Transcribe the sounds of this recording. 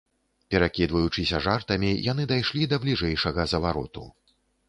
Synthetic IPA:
pʲɛɾakʲid̪vɐjut͡ʂɨsʲɐʐart̪ɐmʲijʔan̪ɨd̪ajʂlʲid̪ɐblʲiʐɛjʂɐɣɐzɐvaɾɔ̰t̪ṵ

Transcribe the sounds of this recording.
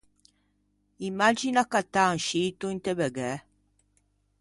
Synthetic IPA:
imːad͡ʒinakat̪ːaŋʃiːt̪uint̪ebeɡɛ

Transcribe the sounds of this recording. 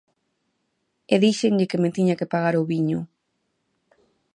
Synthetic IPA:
eðiʃeɲʎɪkemet̪iɲakepaɣaɾoβiɲʊ

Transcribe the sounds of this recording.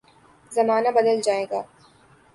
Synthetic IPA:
zɐmaːnabɐd̪əld͡ʒaːeːɡaː

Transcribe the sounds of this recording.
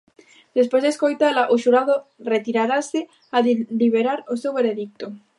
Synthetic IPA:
d̪̥espwezðeskojt̪alaʔoʃuɾaðoret̪iɾaɾase | aðliβeɾaɾosewβeɾeðik̚t̪o

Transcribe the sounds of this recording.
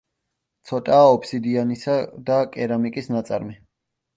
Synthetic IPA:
t̪sʰɔt̪ʼaːɔpʰsid̪ianisad̪akʼɛɾamikʼisnat̪sʼa̰ɾmɛ

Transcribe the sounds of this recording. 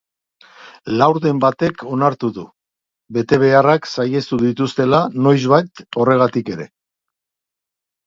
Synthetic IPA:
lawɾðe̞mbat̪e̞kʰo̞naɾt̪uðu | be̞t̪e̞β̞e̞araksaje̞st̪uðit̪ust̪e̞lano̞jzβajt̪o̞re̞ɣ̞at̪ike̞ɾe̞̰

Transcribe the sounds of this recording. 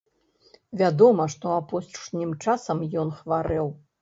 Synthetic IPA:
vʲad̪ɔmɐʂt̪ɔapɔsʂnʲimt͡ʂasɐmjɔnxvaɾɛw

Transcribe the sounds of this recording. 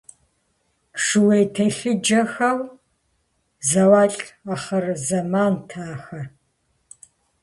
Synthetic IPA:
ʂɨwejtʰɐɬɨd͡ʒɐxɐw | zɐwaːɬʼaχɐrzɐmaːntʰaːxɐ

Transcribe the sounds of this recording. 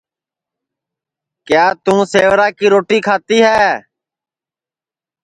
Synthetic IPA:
kɪjaːt̪ũːseːʋɾaːkiːɾoːʈiːkʰaːt̪iːɦɛː

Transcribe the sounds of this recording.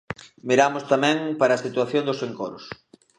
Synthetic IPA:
miɾamʊst̪amɛ̃ŋpaɾaːsit̪uaθjond̪ʊseŋkɔɾʊs

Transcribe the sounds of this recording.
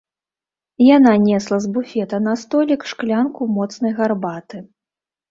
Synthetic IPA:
jananʲɛslˠɐzbufʲɛt̪ɐnɐst̪ɔlʲikʂklʲankumɔt̪snɐjɣarbat̪ɨ

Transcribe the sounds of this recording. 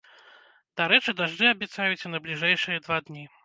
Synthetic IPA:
d̪̥aɾɛt͡ʂɨd̪aʐd̪ɨɐbʲjɛt̪sajut͡sʲɐnɐblʲiʐɛjʂɨjɐd̪vad̪nʲi

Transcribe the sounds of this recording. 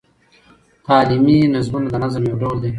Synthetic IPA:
t̪aːliminɪzmunad̪ənazəmjowɖoːld̪e

